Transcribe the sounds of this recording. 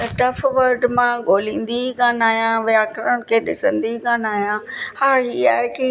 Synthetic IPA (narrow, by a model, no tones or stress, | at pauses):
t̪ɐʈɐfʋɐɾɖmãɡʱoːlĩːn̆d̪ikãːnaːɦjãʋjaːkɾəɽ̃kʰeːɗɪsə̃nd̪ikãːnaːɦjãhaːia̰ːɦeki